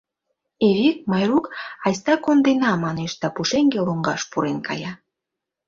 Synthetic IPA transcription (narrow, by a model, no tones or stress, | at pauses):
eβek̚mɑjrukɑjst̪ɑkond̪enɑmɑneʃd̪ɑpuʃeŋɡeloŋɡɑʃpuɾenkʰɑ̰jɑ